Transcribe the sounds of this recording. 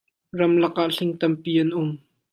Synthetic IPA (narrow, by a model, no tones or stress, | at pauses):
rɐmlɐk̚ʔaʔɬɪŋt̪ɐmpiːʔɐnʔʊm